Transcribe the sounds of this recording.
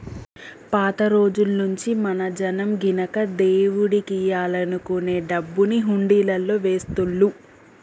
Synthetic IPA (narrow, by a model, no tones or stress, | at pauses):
paːt̪ɐɾo̞ːd͡ʒulnuɲt͡ʃimɐnɐd͡ʒɐnɐmɡinɐkɐd̪eːwuɽikiːjaːlɐnukuneːɖɐbːuniɦuɳɖiːlɐlːo̞ːʋe̞ːst̪uɭːu